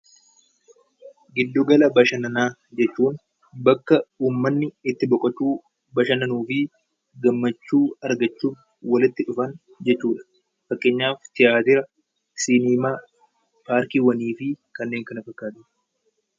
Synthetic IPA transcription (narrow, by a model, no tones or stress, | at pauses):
ɡɪd̪ːʊɡɐlɐbɐʃɐnɐnaːd͡ʒɛt͡ʃːuːn | bɐkːɐuːmːɐnːɪɪt̪ːɪbɔkʼɐt͡ʃːuː | bɐʃɐnɐnuːfɪ | ɡɐmːɐt͡ʃːuːɐɾɡɐt͡ʃːuːf | wɐlɪt̪ːɪᶑʊfɐn | d͡ʒɛt͡ʃːuːᶑɐ̥ | fɐkʼːe̞ːɲːaːft̪ɪjʔaːt̪ɪɾɐ | siniːmaː | paːɾkiːwɐniːfɪkɐnːeːŋkɐnɐfɐkːaːt̪ɪ